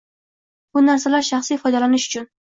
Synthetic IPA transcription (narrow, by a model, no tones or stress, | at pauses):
b̥ʊnaɾsalaɾʃaχsifɒjd̪alanɪʃʊt͡ʃʰʊn